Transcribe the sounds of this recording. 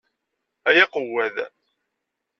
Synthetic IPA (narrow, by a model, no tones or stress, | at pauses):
æjæqəwæð